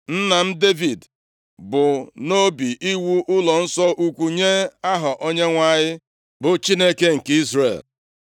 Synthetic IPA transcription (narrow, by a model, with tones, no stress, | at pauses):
n̩˦na˨m̩˦de˦vi˨d | bʊ˨no˦bi˨ʔi˦wu˦ʔʊ˦lɔ˨n̩˦sɔ˦ʔu˦kʷu˨ɲe˦a˦ɦɔ˨ʔo˦ɲe˦ŋʷa˦ɲɪ˦ | bʊ˨t͡ʃi˦ne˦ke˦ŋ̩˨ki˦zrḛ˨l